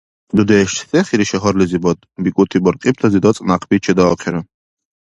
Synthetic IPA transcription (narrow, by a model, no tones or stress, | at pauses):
d̪ud̪ɛːʃt̪ʰt̪ʰɛχiɾiʃɛɦɔɾlizibɔd̪ | bikʼut̪ʰibɔɾqʼip̚t̪ʰazid̪ɔt͡s̪ʼnaqʰbit͡ʃʰɛd̪aɔqʰɛɾɔ